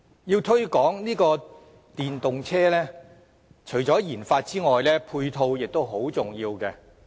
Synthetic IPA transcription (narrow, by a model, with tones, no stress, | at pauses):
jiː˧wt̪ʰɵ˥ɥkɔː˨˥ŋniː˥kɔː˧ | t̪iː˨nt̪ʊ˨ŋt͡sʰɛː˥lɛː˥ | t͡ʃʰɵ˨˩ɥt͡ʃɔː˨˥jiː˨˩nfaː˧t̚t͡siː˥ŋɔː˨jlɛː˥pʰuː˧jt̪ʰo˧wjɪ˨k̚t̪o˥wɦo˨˥wt͡sʊ˨˩ŋjiː˧wkɛː˧